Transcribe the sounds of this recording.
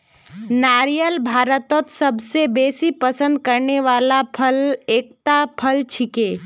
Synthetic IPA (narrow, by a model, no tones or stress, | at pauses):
naːɾijəlbʱaːɾət̪ɔt̪səbsebeːsipəsə̃nd̪̚kəɾneʋaːlapʰəleːk̚t̪apʰəlt͡ʃʰikeː